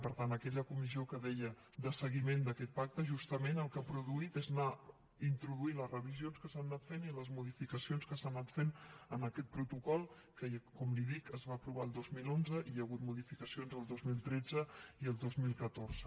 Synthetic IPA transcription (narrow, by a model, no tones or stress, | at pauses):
pəɾt̪anəkɛʎəkumiziokəðɛʎə | d̪əsəɣimend̪əkɛt̪̚pak̚t̪əʒust̪əmenəlˠkapɾuðuit̪ezna | int̪ɾuðuinləzrəβ̞izionskəsanːat̪feniləzmuðifikəsionskəsannːat̪fenənəkɛt̪̚pɾut̪ukɔlˠ | kəkɔmliðikəzβaːpɾuβ̞aəlˠd̪ozmilonzəʔijəɣ̞ut̪muðifikəsionzəlˠd̪ozmilˠt̪ɾɛd͡zəiəlˠd̪ozmilˠkət̪orz̥ə